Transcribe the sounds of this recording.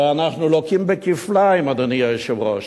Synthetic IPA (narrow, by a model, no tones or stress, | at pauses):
anaχnulokimbəkiflajmad̪aniaʃevʁoʃ